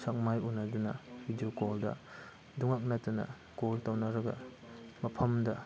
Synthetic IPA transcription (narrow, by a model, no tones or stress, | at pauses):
sak̚majunɐdunɐbidiokoldɐ̰ | duŋak̚nɐtunɐ̰ | koltawnɐɾɐɡɐ̰ | mɐpʰɐmdɐ